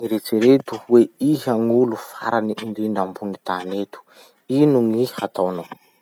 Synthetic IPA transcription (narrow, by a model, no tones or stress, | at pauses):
ŋiɾet͡siɾet̪uweiɦaŋulufa̰ɾanind̪iɳɖ͡ʐambunit̪anet̪u̥ | inuŋihat̪awna